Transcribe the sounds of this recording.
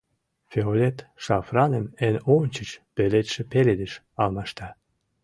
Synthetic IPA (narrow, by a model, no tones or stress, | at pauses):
fʲeolʲet̪ʃɑfrɑnemenonʲt͡ɕət͡ɕpelet̪ʃĕpeled̪eʃ | ɑlmɑʃt̪ɑ